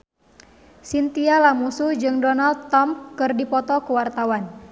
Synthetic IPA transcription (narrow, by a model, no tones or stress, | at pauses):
sint̪ialamusud͡ʒɨŋdɔnald̪̚t̪ɔmkɨrdipɔt̪ɔkuwart̪awan